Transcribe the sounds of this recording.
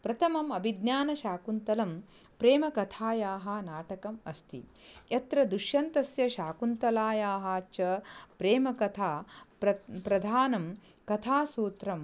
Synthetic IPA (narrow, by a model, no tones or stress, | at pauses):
pɾɐt̪ʰɐmɐmɐbʱid̪njaːnɐʃaːkunt̪ɐlɐm | pɾeːmɐkɐt̪ʰaːjaːɦɐnaːʈɐkɐmɐst̪ʰḭjɐt̪ɾɐd̪uʃjɐnt̪ɐsjɐʃaːkunt̪ɐlaːjaːɦaːt͡ʃɐpɾeːmɐkɐt̪ʰaːpɾɐpɾɐd̪ʱaːnɐm | kɐt̪ʰaːsuːt̪ɾɐm